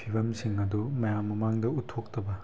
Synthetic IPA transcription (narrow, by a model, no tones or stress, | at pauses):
pʰibɐmsiŋɐdumɐjamːɐmaŋdɐutʰːok̚tɐbɐ